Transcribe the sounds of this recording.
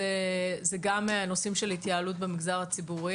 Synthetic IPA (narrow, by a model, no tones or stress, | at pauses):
ezeɡamno̞simʃelhit̪jaːlut̚bemiɡzaʁhat͡sibuʁi